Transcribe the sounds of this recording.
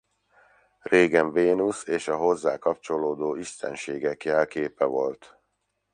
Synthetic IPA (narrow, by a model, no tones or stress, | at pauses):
reːɡɛɱveːnuseːʃɒɦo̞zːaːkɒp̚t͡ʃo̞loːd̪oːiʃt̪ɛ̰nʃeːɡɛkjɛlkeːpɛvo̞lt̪